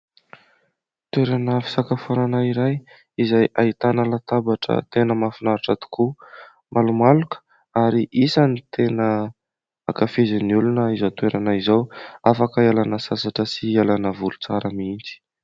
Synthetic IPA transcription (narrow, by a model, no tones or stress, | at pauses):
t̪weɾanəfi̥sakafonanaiɾaj | izajʔait̪anəlat̪abaʈ͡ʂə̰t̪enəmafinaɾaʈ͡ʂat̪u̥ku | mʔalumalukə̥ | aɾiʔisanit̪ʰenə | a̰kafeziniulunəizat̪weɾʔanaizawafakəalanəsasaʈ͡ʂəsialanəvulut͡saɾəmint͡si̥